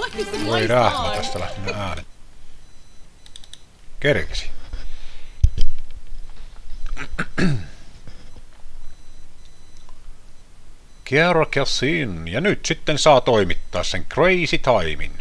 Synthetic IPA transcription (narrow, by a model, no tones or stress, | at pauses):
ʋoiræhmæt̪æst̪ælæ̰ht̪inːææːnen | kerkesi̥ | kiærɑkjɑsinːjɑnyt̪sit̪ːensɑːt̪oˑimit̪ːɑːsseŋkreisit̪ɑimḭn